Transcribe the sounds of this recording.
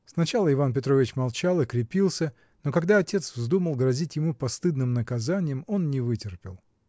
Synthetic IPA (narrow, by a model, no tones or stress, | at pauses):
snɐt͡ɕalˠəɪvanpʲɪt̪ɾovʲɪt͡ɕmɐlˠt͡ɕalˠɨkɾʲɪpʲilˠsʲə | no̞kɐɡd̪aɐtʲe̞t̪svzd̪uməlˠɡɾɐzʲitʲjɪmupɐst̪ɨd̪nɨmnəkɐzanʲɪjəmo̞nnʲɪvɨtʲɪrpʲɪlˠ